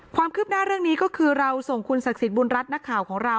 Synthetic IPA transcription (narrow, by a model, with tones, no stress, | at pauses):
kʰwaː˧mkʰɯː˥˩p̚naː˥˩ɾɯ˥˩ŋniː˦˥kɔː˥˩kʰɯː˧ɾa˧wso˨˩ŋkʰu˧nsa˨˩k̚si˨˩t̪̚bu˧nɾa˦˥t̪̚na˦˥kʰːaː˨˩˦wkʰɔː˩˦ŋɾa˧w